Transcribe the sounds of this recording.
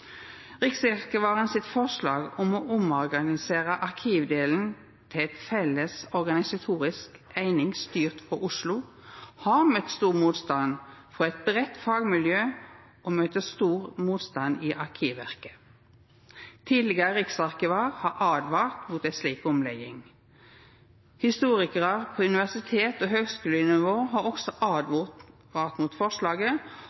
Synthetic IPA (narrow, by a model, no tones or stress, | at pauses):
ʁɪksɑʁkəʋɑːʁənsɪt̪fɔʁslɑːɡɔmoːʔʊmɔʁɡɑnɪseːʁəʔɑʁkʰiːʋd̪eːln̩ | t̪ʰɪɛt̪fɛləsɔʁɡɑnɪsɑt̪ʰuːʁɪskæɪnɪŋst̪yːʁt̪fɔʊʂlʊ | hɑʁmœt̪st̪uːʁmuːt̪st̪ɑnfɔɛt̪̚bʁɛt̪ːfɑːɡmɪljøː | ʔoːmøːt̪əst̪uːʁmuːt̪st̪ɑniːʔɑʁkʰiːʋæʁkə̥ | t̪ʰiːd̪lɪɡəʁəʁɪksɑʁkɪʋɑʁhɑʁʔɑːd̪ʋɑːlt̪buːt̪æsliːkɔmlɛɡɪŋ | hɪst̪uːʁɪkəʁəʁpʰoːʉnɪʋæʁsɪt̪ʰeːt̪oːɦøːɡskʉːlənɪʋoːɦɑːʁɔksɔʔɑːd̪u | ʋɑːʁt̪muːt̪fɔʁʃlɑːɡə